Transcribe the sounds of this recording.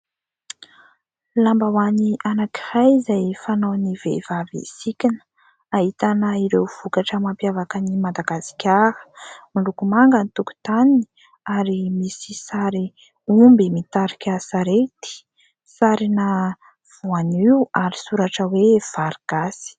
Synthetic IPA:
lambawaniʔanakihajzajfananivḛvavḛsikʲin | aɦit̪anəiɾewv̥ukaʈ͡ʂəmampjavakanimad̪aɡasi̥kʲaɾə̥milukumaŋɡənit̪uku̥t̪anini | aɾimisisaɾi | umbimit̪aɾikʲasaɾet̪i̥ | saɾina | v̥uaniwaɾisuɾaʈ͡ʂəwev̥aɾɡ̥asi̥

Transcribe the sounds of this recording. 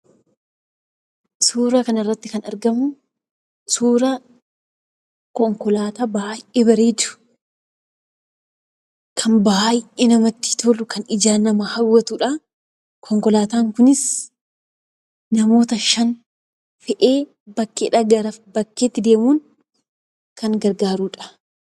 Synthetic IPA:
suːɾɐkɐnɐrːɐt̪ːɪkɐnɐɾɡɐmʊ | suːɾɐ | kɔŋkɔlaːt̪aːbaːjɪʔeːbɐɾeːd̪ʊ̥ | kʰɐnbaːjɪʔeːnɐmɐt̪ːɪ̥t̪ɔlʊkɐnɪd͡ʒaːnɐmɐhɐwːɐt̪uːᶑɐ | kʰɔŋkɔlaːt̪aːŋkʊnɪs | nɐmo̞ːt̪ɐʃɐn | fɛʔeː | bɐkːeːᶑɐɡɐɾɐfbɐkːeːt̪ːɪd̪e̞ːmuːn | kɐŋɡɐɾɡaːɾuːᶑɐ̥

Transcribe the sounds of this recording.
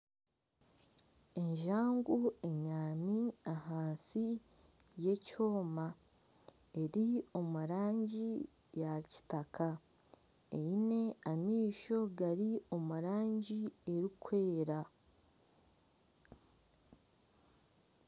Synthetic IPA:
e̞ɲʒaːŋɡue̞ɲaːmiahaːnsi | je̞co̞ːma | e̞ɾio̞muɾaːɲɟi | jaci̥takʰa | ḛjine̞amiːʃo̞ɡaɾio̞muɾaːɲɟie̞ɾikʰwe̞ːɾa

